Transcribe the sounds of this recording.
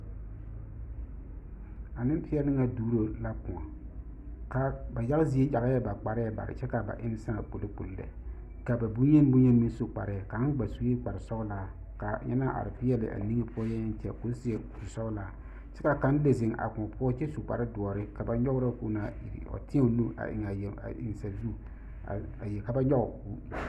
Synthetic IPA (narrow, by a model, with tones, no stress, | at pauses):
a˨nɪ˦m˦pɪ˦ɛ˦nɪ˦ŋa˨duː˦ɾo˦la˦kʊ̃˨a˨ | ka˨ba˨ja˦ɣzi˨˦e˦ja˨ɣa˦jɛ˦ba˨k͡pa˨ɾɪ˦ɛ˦ba̰˨ɾɪ̰˨t͡ʃɛ˦ka˨ba̰˨ʔɪ˦n˦sã˦˨k͡po˨lɪ˦k͡pṵ˨llɛ̰˨ | ka˨ba˨bu˦ɲɛ˦n˦bu˦ɲɛ˦n˦mi˦sʊ˨k͡pa̰˨ɾɪ˨ka˨˦ɡ͡ba˨su˨˦e˦k͡pa˨ɾɪ˨sɔ˦ɡla˦ | ka˨ɲɛ̰˦na˦ʔa̰˨ɾɪ˨fɪ˦jɛ˦lɪ̰˨ʔa̰˨ni˦ŋe˦pʰʊ˦ɔ˦jɛ˦t͡ʃɛ̰˨ko˦sɪ˨˦e˦˨u˨sɔ˦ɣla˨ | t͡ʃɛ˦ka˨ka˨˦n˦le˨zɪ˨ŋʔa̰˨kʊ˨pʊ˦ɔ˦t͡ʃɛ˦su˨k͡pa̰˨ɾdʊ˨ɔ˨ɾɪ˦ka˨ba˨ɲɔ˦ɣʊ˦ɾa˦ku˦na˦i˨ɾ̰ɔ̰˨tɪ˦ɛ˦o˨nu˦a̰˨ʔɪ̰˨ŋa˨ja̰˨ɪ̰˨n˨sa˨zu˦˨ | a̰˨ | a˨jɛ˨ka˨ba˦ɲɔ˦ɣʊ˨bṵ˦